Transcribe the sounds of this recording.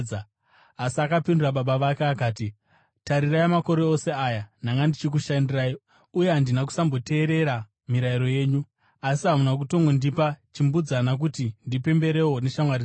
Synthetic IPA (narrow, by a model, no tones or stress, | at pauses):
asiakapinduraɓaɓaʋakeakaːti | taɾirajamako̞ɾe̞ose̞aːjanaŋɡandit͡ʃik̬uʃandirai | uje̞ɦandinak̬u̥sambo̞te̞ːɾe̞ɾa | miɾaiɾo̞je̞ːɲu | asiɦamunak̬uto̞ŋɡondipat͡ʃimbud͡zanak̬utindipe̞mbe̞ɾe̞wo̞ne̞ʃamwari